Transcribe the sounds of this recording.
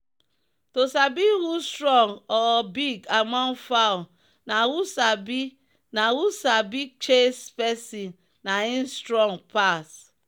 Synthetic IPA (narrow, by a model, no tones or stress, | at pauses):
tosabiɣustɾɔŋɔbiɡamɔn̩faʊ | nawusabi | nawusabit͡ʃespesi | nain̩stɾɔŋpas